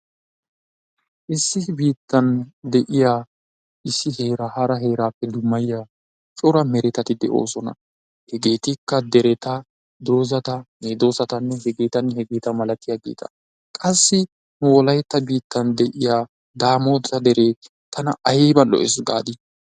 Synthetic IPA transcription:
ʔɪsːɪbiːt̪ːɐnd̪ɛʔɪjaː | ʔɪsːɪhe̞ːɾɐhɐɾɐɦe̞ːɾaːpːɛd̪ʊmːɐjɪjaː | t͡ʃʼʊɾɐmɛɾɛt̪ɐt̪ɪd̪ɛʔo̰ːsɔnɐ̰ | hɛɡe̞ːt̪ɪkːɐd̪ɛɾɛt̪ɐ | d̪o̞ːzɐt̪ɐned̪o̞ːsɐt̪ɐnːɛɦɛɡeːt̪ɐnhɛɡeːt̪ɐmɐlɐt̪ɪjaɡḛːt̪ɐ̥̰ | kʼɐsːɪ | nʊwɔlɐjt̪ːɐbiːt̪ːɐnd̪ɛʔɪjaː | d̪aːmoːt̪ɐd̪ɛɾeː | t̪ɐnɐʔɐjebɐlɔ̰ʔɪsɡa̰ːd̪ɪ

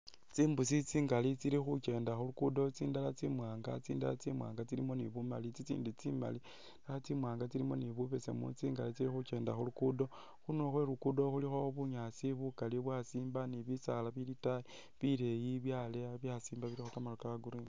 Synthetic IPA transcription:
t͡siːmbusit͡siːŋɡalit͡siɾixut͡ʃe̞ːndaxulukudo̞t͡siːndalat͡simwaːŋɡa̰t͡siːnda̰lat͡simwa̰ːŋɡat͡silimo̞niβumalit͡sit͡sḭːndit͡sima̰li | ndalat͡simwaːŋɡat͡silimo̞niβuβe̞se̞̰mṵt͡siːŋɡalit͡siɾixuke̞ːnda̰xulukudo̞ | xuno̞xweɾukudo̞xulixoβuɲasiβukaliβwasiːmbaniβisalaβilitai | βile̞jiβjaleaβjasiːmbaβiɾixokamalokaɡuɾini

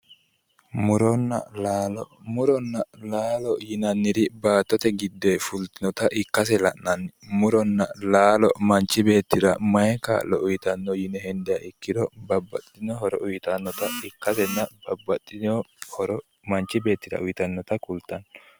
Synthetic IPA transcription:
mʊɾɔnːɐ̰laːlɔmʊɾɔnːɐlaːlɔjɪnɐnːɪd̪ɪbaːt̪ːɔt̪ɛɡɪd̪ːefʊlt̪ɪnɔt̪ɐʔɪkːɐs̬ɛlɐ̰nnɐnmʊɾɔnːɐlaːlɔmɐnt͡ʃːɪbe̞ːt̪ːɪd̪ɐ̰mɐjɛka̰ːlɔʔʊjɪt̪ɐnːɔjɪnɛhɛnd̪ɛjaʔɪkːɪd̪ɔbɐbːɐt̪ʼːɪnɔɦɔɾɔʔʊjt̪ɐnːɔt̪ɐɪkːɐsɛnːɐbɐbɐt̪ʼːɪnɔhɔɾɔ | mɐnt͡ʃːɪbe̞ːt̪ːɪd̪ɐ̰ʊjt̪ɐnːɔt̪ɐkʊlt̪ːɐn

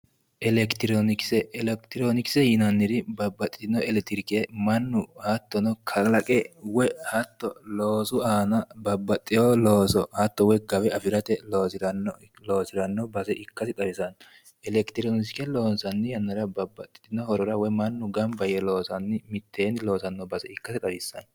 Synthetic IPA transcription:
ʔɛlɛkt̪ɪɾonɪksɛɛlɛkt̪ɪɾonɪkɪ̥sɛjɪnɐnːɪɾɪbɐbːɐt̪ʼːɪ̥t̪ɪnːɔɛlɛt̪ɪɾkemɐnːʊhɐt̪ːɔnɔkʰɐlɐkʼɛwɛhɐt̪ːɔloːsʊaːnɐbɐbːɐt̪ʼːɪjolo̞ːsɔhɐt̪ːɔwɛɡɐbɛɐfɪɾɐt̪ɛloːsɪɾɐn | lo̞ːsɪɾɐnːɔbɐsɛʔɪkːɐsɪt̪ʼɐɾɪsɐn | ɛlɛkt̪ɪɾonɪsɪkɛlo̞ːnsɐnːɪjɐnːɐɾɐbɐbːɐt̪ʼːɪ̥t̪ːɪnɔhɔɾɔɾɐwɛmɐnːʊɡɐmbɐjɛlo̞ːsɐnːɪmɪt̪ʰːeːnloːsɐnːɔbɐsɛɪkːɐsɪt̪ʼɐbɪsːɐ̰n

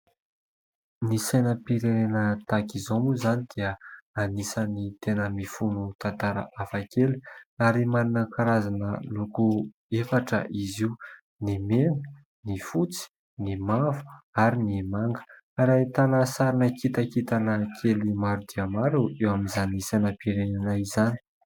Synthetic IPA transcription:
nisajnəpiɾenenət̪akizomuzanid̪̥iəanisənit̪enəmifunut̪ant̪aɾə̰ʔafakeluaɾimaɾinəkaɾazanə̰luku | efaʈ͡ʂə̰ʔiziu | nimenə | nifut͡si̥ | nimavu̥aɾinimaŋɡə̥ | aɾat̪anasaɾinəkit̪əkit̪anəkʰelimaɾud̪iəmaɾuewamizanisanəpiɾenanaizani̥

